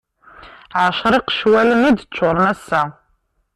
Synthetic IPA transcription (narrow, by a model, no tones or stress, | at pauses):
ʕaʃɾiqʃwɐlɨnidt͡ʃʷʰʊɾnɐsa